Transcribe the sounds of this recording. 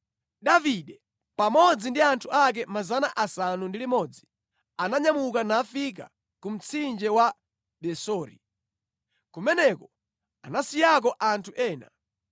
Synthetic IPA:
ɗaviɗɛ | pamɔd͡zindiantʰuak̬ɛmazanaʔasanundilimɔd͡zi | anaɲamukanafik̬a̰ | kum̩t͡sʰind͡ʒɛwa | ɗɛsɔːɾḭ | kumɛnɛkɔ | a̰nasijak̬ɔʔantʰuʔɛːna̰

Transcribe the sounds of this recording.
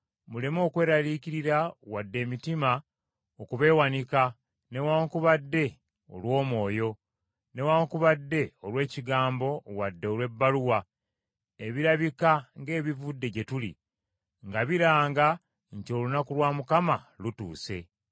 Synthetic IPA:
mule̞mo̞ːkwe̞ːɾaliːciɾiɾawadːe̞ːmitima | okuβe̞ːwanika | ne̞waːŋkuβadːe̞ | o̞̰lwo̞ːmwo̞ːjo̞ | ne̞waːŋkuβadːe̞olwe̞ːciɡaːmbo̞wadːe̞olwe̞bːaluwa | eβiɾaβikaŋɡe̞ːβivudːe̞ɟe̞tulḭ | ŋɡaβiɾaːŋɡa | ɲco̞lunakulwaːmukamalutṵːse̞̰

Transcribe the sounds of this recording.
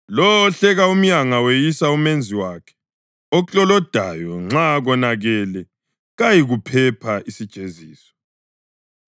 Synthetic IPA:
lɔːɬɛɣaum̩jaŋawejisaumend͡zʱiwakʰɛ̥ | ɔt͡ɬʼɔlɔd̥ʱa̰jɔŋ͡ǁaɣɔnaɣɛlɛ | ɣajiɣupʰɛpʰaʔisid̥ʒ̥ʱeziːsɔ̥

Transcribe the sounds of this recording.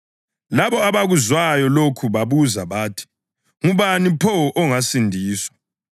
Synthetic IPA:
laβɔaβaɣuzwajɔlokʰuβaβuzaβaːtʰi̥ | ŋuβanipʰɔʔɔŋasindʱiːswḁ

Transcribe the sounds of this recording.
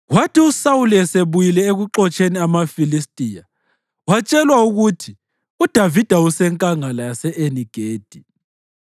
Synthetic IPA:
watʰiusauliɛseβujilɛeɣuǁɔt͡ʃʼeniamafilistʼija | wat͡ʃʼɛlwauɣutʰi | ud̥ʱavid̥ʱausɛŋkʼaŋalajasɛʔeniɡ̥ʱeːd̥ʱi

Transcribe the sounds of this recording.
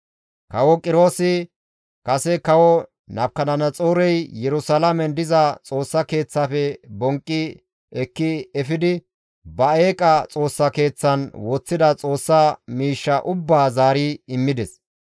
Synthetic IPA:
kɐwɔkʼɪɾo̞ːsɪ | kɐsɛkɐwɔ | nɐb̚kːɐnɐnɐt͡sʼoːɾɛjjɛɾʊsɐlɐmɛnd̪ɪzɐt͡sʼo̞ːsːɐke̞ːt͡sːaːfɛbɔŋkʼːɪ | ɛkːɪɛfɪd̪ɪ | bɐeːkʼɐt͡sʼo̞ːsːɐke̞ːt͡sːɐnwɔt͡sːɪd̪ɐt͡sʼo̞ːsːɐmiːʃːɐʔʊbːaːzaːɾiɪmːɪd̪ɛs

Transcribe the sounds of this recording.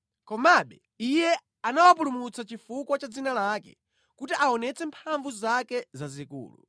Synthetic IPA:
kɔmaɓɛ | ijɛ | anawapulumut͡sat͡ʃifukwat͡ʃad͡zinalakɛ̰ | kutiʔaɔnɛt͡sɛmpʰaɱvuzakɛzazikṵːlṵ

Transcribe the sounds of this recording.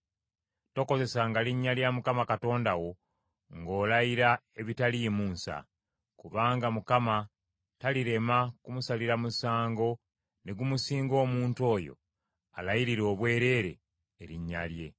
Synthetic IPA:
to̞ko̞ze̞saŋɡaliɲːaljamukamakato̞ːndawo̞ | ŋɡo̞ːlajiɾae̞βitalije̞muːnsa̰ | kuβaːŋɡamukama | taliɾe̞makumusaliɾamusaːŋɡo̞ | ne̞ɡumusiːŋɡo̞ːmuːnto̞ːjo̞̰ | alajiɾiɾo̞ːβwe̞ːɾe̞ːɾe̞̰ː | ɾiɲːa̰lje̞̰

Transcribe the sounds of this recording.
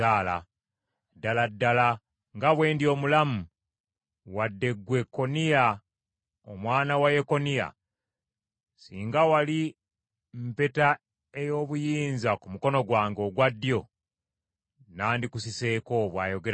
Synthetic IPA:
aːla | dːaladːala | ŋɡaβwe̞ːndjo̞ːmulamu | wadːe̞ɡwe̞kːo̞nija | o̰mwaːnawajeko̞nija̰ | sḭːŋɡawali | mpe̞ta | ejo̞ːβujiːnzakumuko̞noɡwaːŋɡo̞ɡwadːjo̞ | naːndikusise̞ːko̞βwaːjo̞ɡe

